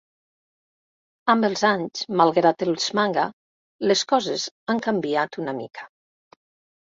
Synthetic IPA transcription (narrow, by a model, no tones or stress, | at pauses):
ambelˠzaɲzmalˠɣɾat̪elˠz̥maŋɡa | leskɔzezaŋkambiat̪unamḭkʰḁ